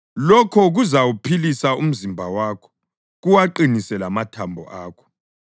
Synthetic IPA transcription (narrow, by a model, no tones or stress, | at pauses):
lɔkʰɔɣuzawupʰilisaum̩zimbʱawaːkʰɔ̥ | ɣuwaǃinisɛlamatʰambʱɔ̰ʔaːkʰɔ̥